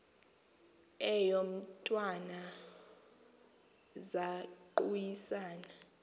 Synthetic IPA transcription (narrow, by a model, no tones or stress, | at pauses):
ɛjom̩tʼwana | zaǃujisaːna